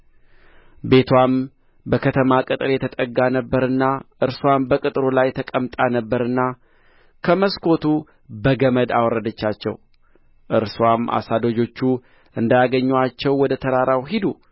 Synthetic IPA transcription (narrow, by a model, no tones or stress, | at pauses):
be̞t̪ʰwam | bəkʰət̪ʰəmakʼɨt̪ʼɨɾjɛt̪ʰət̪ʼəɡːanəbːəɾɨnːaʔɨɾswambəkʼɨt̪ʼɾolajt̪ʰəkʼəmt̪ʼanəbːəɾɨnːa | kʰəməskʰo̞t̪ʰu | bəɡəməd̪a̰wɔɾːəd̪ət͡ʃːat͡ʃːɛ̰w | ʔɨɾswamʔa̰sad̪o̞d͡ʒo̞t͡ʃːu | ʔɨnd̪ajaɡəɲːat͡ʃːɛwːɔd̪ət̪ʰəɾaɾawɦid̪u